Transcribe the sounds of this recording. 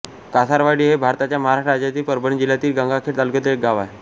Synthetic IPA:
kasaɾʋaɽiːɦebʱaɾt̪at͡ɕjaməɦaɾaʂʈɾad͡ʑjat̪iːlpəɾbəɳid͡ʑilat̪iːlɡãŋɡakʰeʈt̪alkət̪əek̚ɡaʋa̰e

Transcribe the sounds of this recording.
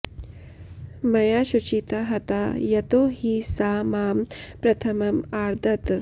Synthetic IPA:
mɐjaʃut͡ʃit̪aɦɐt̪ajɐt̪oːɦisaːmaːmpɾɐt̪ʰɐmɐmaːɾd̪ʱɐt̪

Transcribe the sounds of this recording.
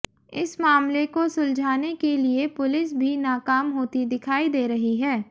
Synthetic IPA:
ɪsmaːmlekosʊld͡ʒʱaːnekeliepʊlɪs̬bʱinaːkaːmɦoːt̪id̪ɪkʰaːid̪eːɾɐɦiɦɛː

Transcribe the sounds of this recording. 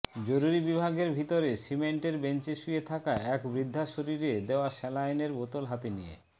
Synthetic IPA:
d͡ʑoɾuɾibibʱaɡeɾbʱit̪oɾesimeɳʈeɾbeɲt͡ɕeʃujet̪ʰakaɛkbɾid̪ʱːaʃoɾiɾed̪eoaʃɛlajneɾbot̪olɦat̪enḭjḛ

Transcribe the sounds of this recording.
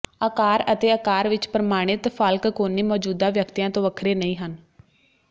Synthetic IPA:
əkaːɾət̪eːəkaːɾʋɪt͡ʃpɾəmaːɽ̃ɪt̪pʰəlkkoːniːmɔːd͡ʒuːd̪ãːʋjəkt̪ijãːt̪õːʋəkʰɾeːnəĩːɦən

